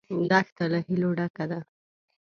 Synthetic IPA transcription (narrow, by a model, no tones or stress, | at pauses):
d̪axt̪alahiloɖakad̪a